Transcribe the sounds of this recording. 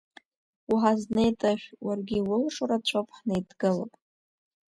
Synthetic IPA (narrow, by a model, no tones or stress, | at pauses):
uħaznejtʼaʃʲʷᶣwarɡʲiwʊlʂoɾat͡ɕʷʰopʰʼħnajdɡɨlo̰pʼ